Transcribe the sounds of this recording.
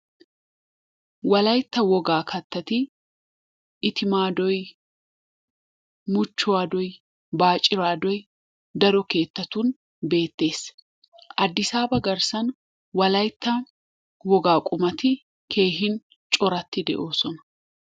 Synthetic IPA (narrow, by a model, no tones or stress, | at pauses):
wɐlɐjt̪ːɐwɔɡaːkʰɐt̪ːɐt̪ɪ | ɪt̪ɪmaːd̪ɔj | mʊt͡ʃːʊwaːd̪ɔj | baːt͡ʃʼːɪɾaːd̪ɔj | d̪ɐɾɔke̞ːt̪ːɐt̪un | be̞ːt̪ːe̞ːs | ʔɐd̪ːɪsaːbɐɡɐɾsɐn | wɐlɐjt̪ːɐ | wɔɡaːkʼʊmɐt̪ɪ | kʰe̞ːɦɪn | t͡ʃʼɔɾɐt̪ːɪd̪ɛ̰ʔo̞ːsɔnɐ̥